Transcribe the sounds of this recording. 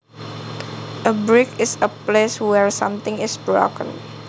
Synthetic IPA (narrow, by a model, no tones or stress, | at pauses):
ʔəbɹɪkɪsəpleswɛɹsã̰mt̪ɪ̃ŋɪsbɹo̰kə̰̃n